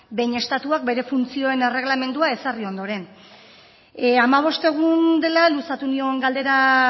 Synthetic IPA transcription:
be̞jɲe̞st̪at̪uak̚be̞ɾe̞funt͡sio̞e̞ne̞re̞ɣlame̞nd̪uae̞sario̞nd̪o̞ɾe̞n | amaβ̞o̞st̪e̞ɣ̞und̪e̞lalusat̪unioeŋɡald̪e̞ɾa

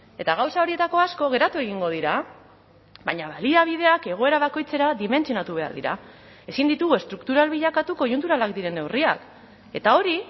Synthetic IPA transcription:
e̞t̪aɣawsao̞ɾie̞t̪ako̞asko̞ɣ̞e̞ɾat̪ue̞ɣ̞iŋɡo̞ð̞iɾa | βaɲaβaliaβ̞ið̞e̞ake̞ɣ̞o̞e̞ɾaβ̞ako̞jt͡se̞ɾaðime̞nsionat̪uβe̞a̰ɾðḭɾa̰ | e̞sind̪it̪uɣue̞st̪ɾukt̪uɾalβiʎakat̪uko̞junt̪uɾalakd̪iɾe̞newria̰k | e̞t̪ao̞ɾi

